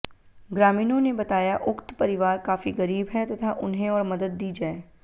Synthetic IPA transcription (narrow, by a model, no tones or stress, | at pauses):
ɡɾaːmiːnõnebɐt̪aːjaʔʊkt̪pɐɾɪʋaːɾkaːfiɣɐɾiːbɦɛt̪ɐt̪ʰaʔʊnɦẽɔːɾmɐd̪əd̪̚ːiːd͡ʒaːeː